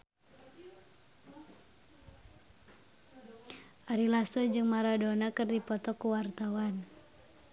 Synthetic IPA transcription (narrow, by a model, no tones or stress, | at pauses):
ʔaɾilasɔd͡ʒɨŋmaɾadɔnakɨrdipɔt̪ɔkuwart̪awan